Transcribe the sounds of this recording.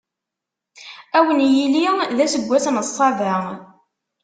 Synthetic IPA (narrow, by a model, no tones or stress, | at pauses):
æwənjiliðæsəɡʷːæsnəsˤːɑvæ